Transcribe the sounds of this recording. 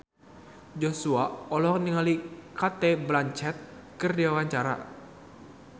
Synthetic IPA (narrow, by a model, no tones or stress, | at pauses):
d͡ʒosuaɔlɔɦɔŋniŋalikat̪ɛblaɲt͡ʃɛt̪̚kɨrdiawaɲt͡ʃaɾa̰